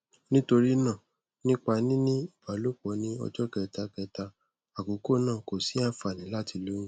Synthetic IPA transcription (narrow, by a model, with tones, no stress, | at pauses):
nĩ˦to˧ɾi˦nã˦˨ | nĩ˦k͡pa˧nĩ˦nĩ˦i˦˨ba˨˦lo˦˨k͡pɔ˨˦nĩ˦ɔ̰˧d͡ʒɔ˦kɛ˧ta˧kɛ˧ta˧ | a˨ko˨˦ko˦˨nãː˦˨ko˨sĩ˨˦ã˦fa˨nĩ˨˦la˦ti˧lo˨˦ũ˦